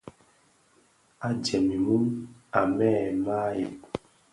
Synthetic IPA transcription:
a˨d͡ʒɛ˨mi˨mu˦ma˨mɛ˦˨ma˦jḛ˨p

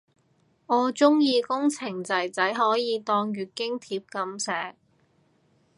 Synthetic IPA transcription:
ɔː˨˧t͡sʊ˥ŋjiː˧kʊ˥ŋt͡sʰɪ˨˩ŋt͡sɐ˨˩jt͡sɐ˨˥jɦɔː˨˥jiː˨˧t̪ɔː˧ŋɥyː˨t̚kɪ˥ŋt̪ʰiː˧˩p̚kɐ˨˧msɛː˨˧k̚

